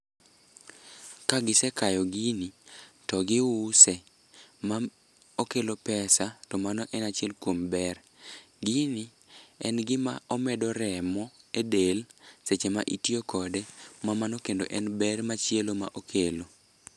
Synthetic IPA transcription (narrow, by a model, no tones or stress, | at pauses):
kaɡɪsɛkajɔɡinitɔɡɪwʊsɛ | ma | okelopɛsatɔmanɔʔɛnat͡ʃɪɛlkwombɛr | ɡini | ɛnɡɪma̰ɔmɛdɔɾɛmɔedelset͡ʃema̰ʔitiokɔdɛmamanɔkendoʔɛnbɛrmat͡ʃjeloma̰ʔokʰelo